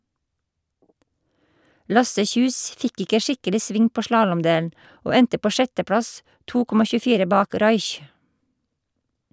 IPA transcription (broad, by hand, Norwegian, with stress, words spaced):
ˈlɑsə ˈçʉːs ˈfɪk ˈɪkə ˈʃɪkəlɪ ˈsʋɪŋ ˈpoː ˈʃlɑːlɔmˌdeːln̩ ˈoː ˈɛntə ˈpoː ˈʃɛtəˌpɽɑs ˈtuː ˈkɔmɑ çʉːˈfiːɾə ˈbɑːk ˈɾɑɪç